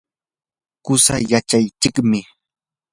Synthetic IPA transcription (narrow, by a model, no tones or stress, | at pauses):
kʊsajat͡ʃajt͡ʃɪkmɪ